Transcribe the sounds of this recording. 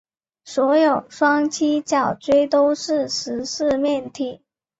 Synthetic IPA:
swɔ˧˥jo˨˩ʊʂwɑ˥ŋt͡ɕʰi˥t͡ɕjɑ˨˩ʊʈ͡ʂwe˥ɪt̪o˥ʊʂɻ̩˥˩ʂɻ̩˧˥ʂɻ̩˥˧mjɛ˥˧nt̪ʰi˥˩

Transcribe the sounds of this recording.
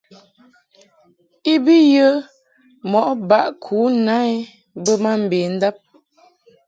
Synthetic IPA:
i˦bi˦jə˦ | mɔ˨ʔba˦ʔkʰuː˨˦na˦e˦ | bə˦ma˦m̩˨beː˨n̩˦da˦p̚

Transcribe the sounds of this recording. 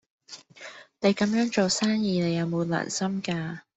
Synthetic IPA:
ne˨˧jkɐ˨˥mjœː˨˥ŋt͡ʃo˨wsaː˥ŋjiː˨˧ne˨˧jɐ˨˧wmo˨˧la̰ː˨˩nsɐ˥mkaː˧

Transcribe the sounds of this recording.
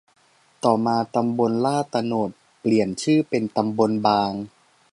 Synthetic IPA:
t̪ɔː˨˩maː˧t̪a˧mbo˧nlaː˥˩t̪a˧no˨˩t̪̚pli˨˩ənt͡ɕʰɯː˥˩pe˧nt̪a˧mbo˧nbaː˧ŋ

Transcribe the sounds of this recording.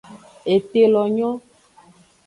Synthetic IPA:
e˨t̪e˨lɔ˨ɲɔ̃˦

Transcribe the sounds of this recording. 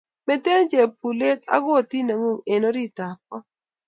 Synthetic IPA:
mɛ˦te˦nd͡ʒe˨pu˨le˦ta̰˦ɡo˦˨ti˦na˨ŋo˦˨ŋe˨no˦ɾi˦ta˨k̚ɔ˦

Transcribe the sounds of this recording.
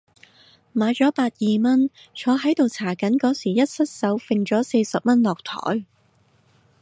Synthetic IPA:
maː˨˧jt͡sɔː˨˥paː˧t̚jiː˨mɐ˥n | t͡ʃʰɔː˨˧ɦɐ˨˥jt̪o˨wt͡sʰaː˨˩kɐ˨˥nkɔː˨˥siː˨˩jɐ˥t̚sɐ˥t̚sɐ˨˥wfɪ˧ŋt͡ʃɔː˨˥se˧sɐ˨p̚mɐ˥nlɔː˨k̚t̪ʰɔ̰ː˨˥j

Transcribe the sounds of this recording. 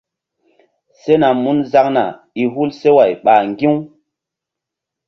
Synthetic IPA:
se˦na˨mu˦nza˦kna̰˨ | i˨ɦu˦lse˦wa˨jɓa˨ŋɡi˦w

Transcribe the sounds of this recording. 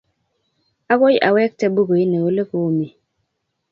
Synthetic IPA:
a˦bo˦jʔa˨wɛ˦k̚tɛ˦bu˦ɡo˨i˦nɛ˨wo˨˦le˦ko˨˦˨mi˨

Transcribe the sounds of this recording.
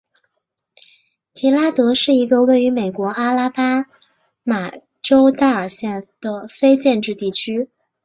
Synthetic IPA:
t̪ʰi˧˥la˥t̪ɤ˧˥ʂɻ̩˥˩i˧˥ɡə˧we˥˩ɪy˧˥me˨˩ɪkwɔ˧˥ʔa˥la˥pa˥ | ma˨˩ | ʈ͡ʂo˥ʊt̪a˥˩ə˞˨˩ɕjɛ˥˩nd̪̥ə˨˩fe˥ɪt͡ɕjɛ˥˧nʈ͡ʂɻ̩˥˧t̪i˥˩t͡ɕʰy˥

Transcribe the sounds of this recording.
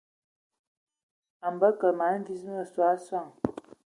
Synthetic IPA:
a˨mbə˦kə˨ma˨˦n˦vi˦smə˦˨swa˨˦swa˦˨ŋ

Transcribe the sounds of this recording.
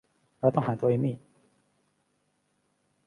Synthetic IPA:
ə˞˧˥t̪ʊ˥ŋxə˨˩nt̪wɔ˥˩i˧˥mi˥˩

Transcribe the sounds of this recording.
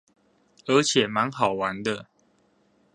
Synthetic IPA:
ə˨˧˥t͡ɕʰjɛ˨˩ma˨˦nxɑ˨˩ʊwa˨˦nd̪ə˧

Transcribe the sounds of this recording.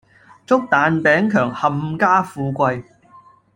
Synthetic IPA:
t͡sʊ˥k̚t̪aː˨˧npɛː˨˥ŋkʰœː˨˩ŋhɐ˨˧mkaː˥fuː˧kʷɐ˧j

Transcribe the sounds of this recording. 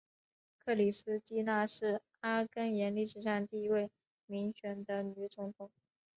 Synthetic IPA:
kʰɤ˥˩li˨˩sɹ̩˥t͡ɕi˥na˥˧ʂɻ̩˥˩ | a˥kə˥njɛ˧˥nli˥˩ʂɻ̩˨˩ʂɑ˥˧ŋt̪i˥˧i˥we˥˩ɪ | mi˧˥ŋt͡ɕʰɥɛ˧˥nd̪ə˧ny˧˥t͡sʊ˧˥ŋt̪ʰʊ˧˥˦ŋ

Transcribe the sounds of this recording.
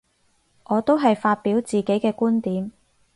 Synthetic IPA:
ʔɔː˨˧t̪o˥wɦɐ˨jfaː˧t̚piː˨˥wt͡siː˨ke˨˥jkɛː˧kuː˥nt̪iː˨˥m

